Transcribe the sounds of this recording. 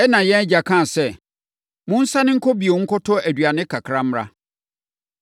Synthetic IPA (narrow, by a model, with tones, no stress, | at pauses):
ɛ˦nã˨jɛ̃˦d͡ʑa˨kʰã˦˨sɛ˦ | mʊ̃˦n̩˦sa˦nɪ̃˦ŋ̩˦kʰo˦bi˨e˨ŋ̩˦kʰʊ˦tʰʊ˦æ˨dɥa˨nɪ̃˦kʰa˨kʰɾã˦m̩˦ɾa̰˦